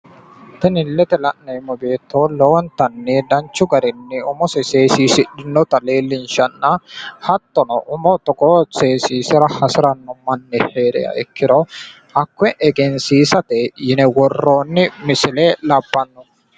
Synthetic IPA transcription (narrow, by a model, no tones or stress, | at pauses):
t̪ɛnɪlːɛt̪ɛlɐʔnɐmɔbe̞ːt̪ːoːlɔwɔnt̪ɐnːɪd̪ɐnt͡ʃːʊɡɐɾɪnːɪʊmɔsɛseːsiːsɪᶑɪnːɔt̪ɐle̞ːlːɪnʃɐnːɐhɐt̪ːɔnɔʔʊmɔt̪ɔkɔseːsiːsɪɾɐhɐsɪɾɐnːɔmɐnːɛheːɾɛ̰jɐ̰ɛkːɪd̪ɔ | ʔɐkːɛʔɛɡɛnsiːsɐt̪ɛjɪnɛwɔrːoːnːɪmɪsɪlɛlɐbːɐnːɔ